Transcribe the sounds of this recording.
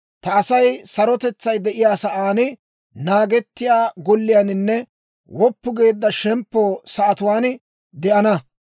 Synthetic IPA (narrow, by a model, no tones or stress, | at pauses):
t̪ɐːsɐjsɐɾɔt̪ɛt͡sːɐjd̪ɛʔɪjaːsɐʔaːnɪ | naːɡɛt̪ːɪjaːɡɔlːɪjanɪnːɛ | wɔpːʊɡe̞ːd̪ːɐʃɛmpːoːsɐʔɐt̪ʊwaːn | d̪ɛʔɐnɐ